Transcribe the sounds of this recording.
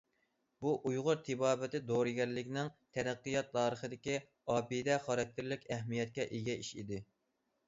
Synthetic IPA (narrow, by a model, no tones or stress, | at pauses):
b̥uʔujʁʊɾt̪ʰɪbɑːbɪt̪ɪd̪oɾɨɡʲɛɾlɪkʲnɪŋt̪ʰɛɾæqːɨjɑt̪ʰːɑːɾəχəd̪ɪkʲi | ɑːpid̪ɛχɑɾɛk̚t̪ʰːɪɾlɪkʲɛɦmijɛt̪̚kʲɛʔeɡʲɛiʃid̪ɪ